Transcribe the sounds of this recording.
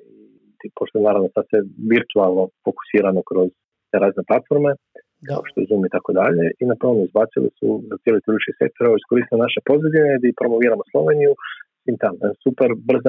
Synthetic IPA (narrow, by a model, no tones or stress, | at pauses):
i | ipoʃt̪oenaːɾaʋno̞sad̪seʋiɾt̪ualˠno̞fo̞ku̥siːɾanokɾo̞z | t̪eɾaːzne̞plˠat̪fo̞ɾme̞ | kʰa̰o̰ʃt̪ojɛzumit̪ako̞d̪aʎe̞ʔinapɾo̞nozbatsilḭsṵd̪at̪jelit̪iɾut͡ʃise̞̰k̚t̪oɾooiskoɾiːst̪ilmonaʃepo̞zed̪ineid̪aipɾo̞mo̞ʋiːɾamoslˠo̞̰ʋenijusʋiːmt̪amensupeɾbr̩za